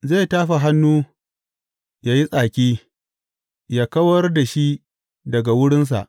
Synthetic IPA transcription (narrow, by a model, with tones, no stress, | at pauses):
ze˦˨taː˦ɸa˨ɦa˦nːuː˦ | jaː˦ji˦sʼaː˨kʲiː˦ | jaː˦kɐ˦wɐ˦rda˨ʃi˦ʔ | dɐ˨ɡa˨wʊ˦ɽɪ˦ns̬a̰˨ʔ